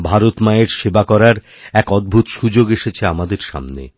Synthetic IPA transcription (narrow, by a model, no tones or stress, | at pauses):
bʱaɾot̪maeɾʃebakɔɾaɾ | ɛkɔd̪̚bʱut̪ʃud͡ʑoɡeʃet͡ɕʰeamad̪eɾʃa̰mnḛ